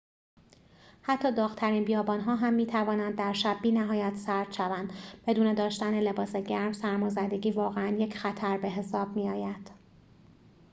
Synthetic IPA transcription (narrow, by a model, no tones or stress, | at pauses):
hæt̪ʰːɒːd̪ɒːɣt̪ʰæɾiːnbijɒːbɒːnɦɒːɦæmːiːt̪ʰævɒːnænd̪ːæɾʃæbːiːnæɦɒːjæt̪ʰsæɾd̪̥ʃævænd̪b̥e̞d̪uːne̞d̪ɒːʃt̪æne̞le̞bɒːse̞ɟæɾmsæɾmɒːzæd̪e̞ɟʲiːvɒːɣeænje̞cʰxæt̪ʰæɾbe̞ɦe̞sɒːb̚miːɒːjæd̪̥